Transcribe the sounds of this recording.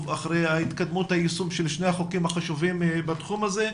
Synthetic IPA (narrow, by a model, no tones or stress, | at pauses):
vaχɾejait̪kad̪muthaisumʃelʃnehaχokimhaχaʃuvimbat̪χumaze̞